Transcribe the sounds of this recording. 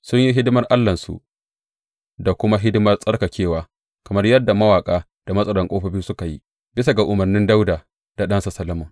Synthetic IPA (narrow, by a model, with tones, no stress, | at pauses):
sʊ˦ɲji˦ɦɪ˦dʊ˦mɐ˦rʔa˦lːɐ˨nsṵ˨ʔ | da˨kʷʊ˦ma˦ɦɪ˦dɪ˦mɐ˦rsʼɐ˦rka˨kʲeː˦˨waː˨ | kɐ˨mɐ˦rjɐ˦dːa˨mɐ˦waː˨kʼaː˦ | d̥a˨mɐ˦sʼɐ˦lɐ˨ŋkʷʼoː˦ɸɐ˦biː˦sʊ˦ka˨jḭ˦ | bɪ˦sa˨ɡa˨ʔʊ˨mɐ˨rnɪ˦nda˦wdaː˨ | d̥a˨ɗɐ˦nsa˨sɐ˦lːɐ˦mɐ˨ŋ